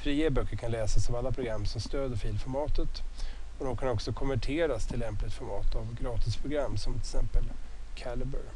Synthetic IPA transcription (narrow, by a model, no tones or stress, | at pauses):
fɾiːebœkːəɾkʰanlɛːsasavalːapʰɾʊɡɾamːsɔmst̪øːd̪əɾfiːlfɔɾmɑːt̪ət̪ɔd̪ɔmkʰanɔksɔkʰɔmvæʈʰeːɾast̪ʰɪlːɛmplɪt̪fɔɾmɑːt̪avɡɾɑːt̪ɪspʰɾʊɡɾamːsɔmt̪ʰɪlsɛmpəlkʰæləbə̰ɾ